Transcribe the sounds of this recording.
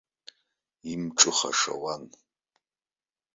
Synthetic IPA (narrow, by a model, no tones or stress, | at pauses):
imʈ͡ʂʼɨχa̰ʂa̰wan